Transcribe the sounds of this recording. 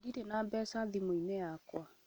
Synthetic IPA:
diɾenaːbɛːsaðimoinɛjakwa

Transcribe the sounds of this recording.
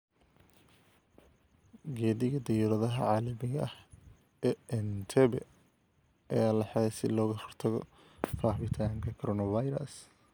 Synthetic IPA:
ɡɛːðɪɣɐd̪ɛjuːɾɐðɐɦɐ̰ʕɑːlɐmɪɣɐʔɐh | ɛɛnt̪ʰɛβɛ̰ | ɐ̰jaːlɐħɑɛsɪ̰lɔːɣɐhɔrt̪ʰɐɣɔ̰ | faːβɪt̪ʰaːŋkʰɐkʰɔɾɔnɐvajɾɐ̰s

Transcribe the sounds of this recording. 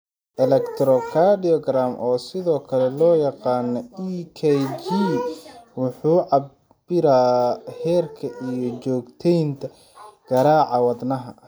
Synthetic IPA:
ʔɛlɛkt̪ʰɾɔkʰaɖiɔɡɾamʔɔːsɪðɔːkʰɐlɛlɔːjɑqɑːnɔikʰɛd͡ʒi | wʊħuːʕɑb | bɪɾaːhɛːrkʰɐʔijɔt͡ʃɔːɡt̪ʰɛjnt̪ʰɐ | ɡ̥ɐɾaːʕɑwɑd̪nɐɦɐ̰

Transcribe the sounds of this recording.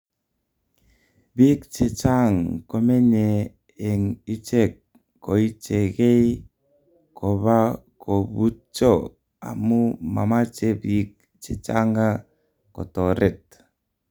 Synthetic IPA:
bikt͡ʃet͡ʃaŋkomeneː | ŋit͡ʃekː | oit͡ʃeɣej | kʰoβakobut͡ʃo | a̰muma̰mat͡ʃebik̚ | t͡ʃet͡ʃa̰ŋa | ko̰t̪oɾɛt̪̚

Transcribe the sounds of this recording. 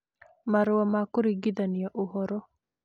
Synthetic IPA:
maɾwamakʊɾiɡid̪anijaʔohɔɾɔ

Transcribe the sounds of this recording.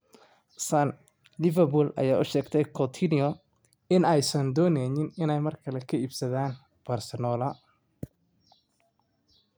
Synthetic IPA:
sɐn | lɪvɐrbʊlɐ̰jaːʔʊʃɛːɡt̪ʰɛjkʰɔt̪ʰinɪɔ | ɪnɛjsɐnd̪ɔːnɛːjɪnɪnɛjmɐrkʰɐlɛkʰɐiːbsɐðaːn | b̥ɐrsɛnɔːlɐ

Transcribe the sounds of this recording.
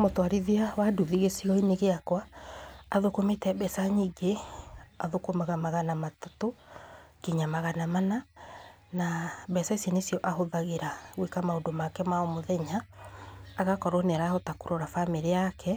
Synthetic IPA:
motwaɾiðiawaduðiɣesiɣɔineɣeakwaː | ðokometɛbɛsaɲiɡeaðokomaɣamaɣanamatatokiɲamaɣanamana | nabɛsaisjɔnesiɔʔahoðaɣeɾaɣwekamaodomakɛmaomoðɛɲaː | ɣakɔɾonɛɾaotakoɾoɾafameɾeakɛ

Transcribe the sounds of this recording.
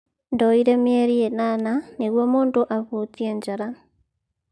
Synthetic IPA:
ndɔiɾemjeɾienananiɣwomuːntoʔaβut͡siend͡ʒaɾa

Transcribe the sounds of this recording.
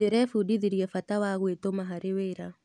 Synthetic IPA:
eɾɛfudiðiɾjɛfatawaɣwetomaɦaɾeweːɾa

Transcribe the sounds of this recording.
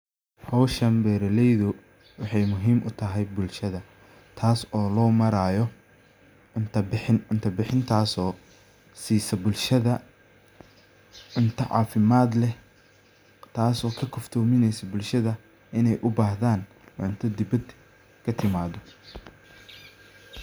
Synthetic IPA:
hɔwʃɐmbɛːɾɐlɛjðʊ | wɑħɑjmʊɦiːmʔʊt̪ʰɐɦɛjbʊlʃɐðɐ | t̪ʰaːsɔːlɔːmɐɾaːjɔ | ʕʊnt̪ʰɐɪħɪnʊnt̪ʰɐbɪħɪnt̪ʰaːsɔː | siːsɐbʊlʃɐðɐ | ʕʊnt̪ʰɐʕɑ̰ːfɪmaːd̪lɛ | t̪ʰaːsɔːkʰɐkʰʊft̪ʰɔːmɪnɛjsɐbʊlʃɐðɐ | ɪnɛjʔʊbaːɦðaːn | ʕʊnt̪ʰɐd̪ɪbɐd̪ | kʰɐt̪ʰɪmaːðɔ

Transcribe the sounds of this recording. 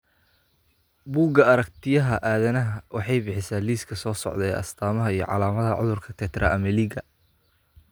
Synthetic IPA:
buːɡɐɐɾɐkt̪ʰɪjɐɦɐʔaːðɐnɐɦɐwɑħɑjbɪħɪsaːliːskʰɐsɔːsɔ̰ʕd̪ɛ̰ːʔɐ̰st̪ʰaːmɐɦɐijɞ̰ʕɑ̰laːmɐðɐʕʊ̰ðʊrkʰɐt̪ʰɛt̪ʰrʔɐ̰ʔɐmɐliːɡɐ

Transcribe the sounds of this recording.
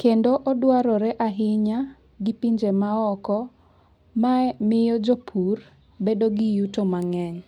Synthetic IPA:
kendoʔɔdwaɾɔɾɛʔaɦɪɲa | ɡɪpiɲd͡ʒemaɔkɔ | mamɪjɔd͡ʒopʰur | bedoɡɪjutomaŋɛɲ

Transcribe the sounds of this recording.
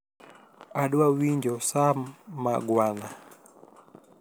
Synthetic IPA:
aɗwawiɲd͡ʒɔsamaɡwana

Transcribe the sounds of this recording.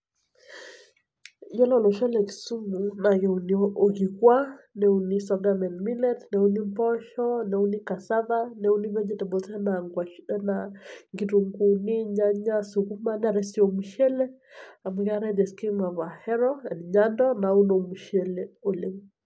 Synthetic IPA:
jɛlɔlɔʃɛlɛki̥sumunaɣɛunoɣikwanɛunisɔnamɛnmilɛtnɛunimpɔʃɔnɛunikasaðanɛuniβɛɲd͡ʒɛtɛbɔsɛnaŋɡwaʃɛnaŋɡituŋɡuniɲaɲasukumanɛaɾɛsiɔmuʃɛlɛ | amuɣaɾɛðɛskimaβahɛɾɔɛnɲandɔnaunomuʃɛlɛoleŋ

